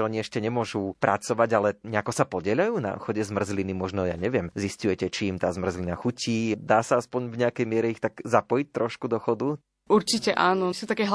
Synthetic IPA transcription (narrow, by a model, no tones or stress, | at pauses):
ɔɲiɛʃcɛɲɛmʊɔʒupɾʔa̰t͡sɔʋaɟalɛɲɛakɔsapɔɟɛʎajuːna̰xɔɟɛzmr̩zlinimɔʒnɔja̰ːɲɛʋɪɛmziscujɛcɛt͡ʃiːmt̪aːzmr̩zlinaxuciːd̪aːsaaspɔɲvɲɛakɛjmɪɛɾɛixt̪aɡzapɔjic̚t̪ɾɔʃkud̪ɔxɔd̪u | uɾt͡ʃicɛʔaːnɔsut̪akɛːɦ